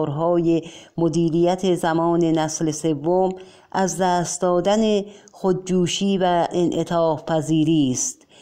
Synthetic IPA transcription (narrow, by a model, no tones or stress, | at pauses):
ɾɦɒːjemod̪iːɾijæt̪ʰezæmɒːne̞næslese̞vːom | ʔæzd̪æːst̪̚d̪ɒːd̪ænexod̪̚d͡ʒuːʃiːvæenʔet̪ʰɒːfpʰæziːɾiːst̪